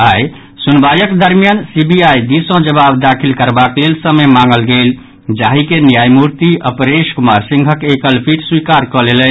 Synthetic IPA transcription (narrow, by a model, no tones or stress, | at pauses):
aj | sunbajəkd̪əɾmijansibiajd̪isõd͡ʒəbabd̪akʰilkəɾbaklelsəməjmaŋɡəlɡel | d͡ʒaɦikenjajmuɾt̪iʔəpɾeʃkumaɾsĩŋɡʱəkekəlpʰiʈswikaɾkɔlelən